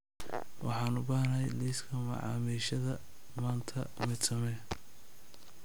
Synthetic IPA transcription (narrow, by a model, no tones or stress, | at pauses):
wʔɑ̰ħɑːnʊbaːhnɐɛjliːskʰɐmɐ̰ʕɑ̰ːmiːʃɐðɐ | maːnt̪ʰɐmɛt̪sɐmɛ